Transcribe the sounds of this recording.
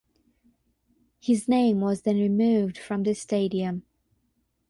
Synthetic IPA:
hɪznẽɪ̃mwʌzðɨ̃nɹɨmʉvd̥fɹʌ̃mðɨsteɪɾiɨ̃m

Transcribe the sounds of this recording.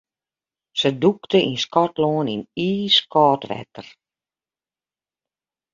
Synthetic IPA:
səduktəʔinskɔtloəniniːskɔːtʋɛ̰tər

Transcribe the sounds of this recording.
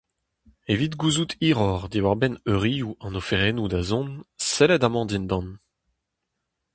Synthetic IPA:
evit̪ɡuzut̪ʰiːʁɔʁd̪iwaʁbɛnøʁijuɑ̃nofeʁeːnud̪azɔ̃nsɛlɛd̪amɑ̃d̪ind̪ɑ̃n

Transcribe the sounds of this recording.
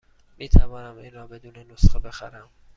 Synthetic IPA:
miːt̪ʰævɒːnæmiːnɾɒːbe̞d̪uːnenosχebe̞xæɾæm

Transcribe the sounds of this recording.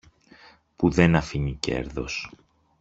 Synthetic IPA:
puðe̞nɐfiɲice̞̰ɾðo̞̰s

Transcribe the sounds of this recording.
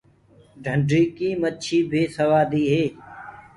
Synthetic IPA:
ɖʱəɳɖɾiːkiːmətːʃʰiːbʱɪːsəʋaːd̪iːɦeː

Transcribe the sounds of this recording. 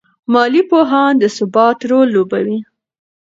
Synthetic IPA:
mɑlipoɦɑnd̪əsʊbɑt̪ɾolːobawi

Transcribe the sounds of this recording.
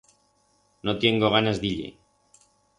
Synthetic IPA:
not̪jeŋɡoɣ̞anazðiʎḛ

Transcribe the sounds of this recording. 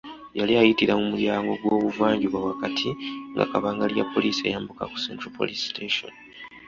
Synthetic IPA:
jaliajitiɾamumuljaːŋɡo̞ɡwo̞ːβuvaːɲɟuβwawakatʰiŋɡa̰kaβaːŋɡalja̰pːo̞liːsie̞̰jaːmbuka̰ku̥sḛntɾopo̰listʰeʃo̰n

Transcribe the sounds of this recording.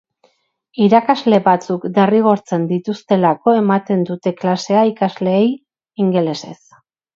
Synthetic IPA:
iɾakazle̞βat͡sukd̪eriɣ̞o̞ɾt͡se̞nd̪it̪ust̪e̞lako̞e̞mat̪e̞nd̪ut̪e̞klase̞aikazle̞ːj | iŋɡe̞le̞se̞̰s

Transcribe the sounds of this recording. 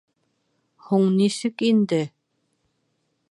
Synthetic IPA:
huɴnisɘkind̪ɘ

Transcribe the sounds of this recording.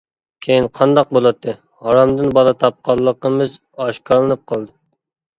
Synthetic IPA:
kʲʰejinqʰɑnd̪ɑq̚bolˠɑt̪ʰːɨ | hɑɾɑmd̪ɨnbɑlˠɨt̪ʰɑp̚qʰɑlˠːəqəmɨz | ɑʃkʰɑɾlˠɨnɨp̚qʰɑlˠd̪ɨ

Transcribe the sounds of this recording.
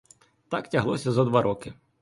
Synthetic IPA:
t̪aktʲɐɦlˠɔsʲɐzɐd̪ʋaɾʔɔkɪ

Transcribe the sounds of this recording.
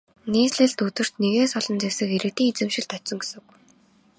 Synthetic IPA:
niːsɮɘ̆ɮt̪ɵt̪ɘ̆r̥t̪neɣeːsɔɮɞ̆nt͡sæwsɘ̆keɾɘ̆k̚t̪iːŋet͡sɘ̆mʃɪ̆ɮt̪œt̪sɞ̆ŋɡesɵ̆k

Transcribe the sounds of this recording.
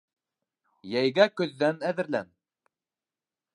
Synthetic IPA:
jæjɡækɵ̆ðːænæðɘ̆ɾlæ̰n

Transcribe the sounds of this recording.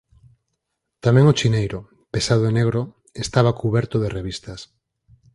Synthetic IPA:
t̪amẽŋot͡ʃinejɾo | pesaðoeneɣɾo | est̪aβ̞akuβɛɾt̪oðereβ̞ist̪as

